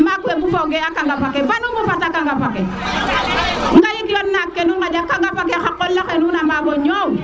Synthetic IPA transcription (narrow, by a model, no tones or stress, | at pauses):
makuemufɔɡɛakaŋɡapakɛbanubufatakaŋɡapakɛ | ŋ̩ɡaliklɔnːakːenuŋad͡ʒakːaŋɡapak̬ɛxakːɔlːaxenunamaːbɔɲɔŋ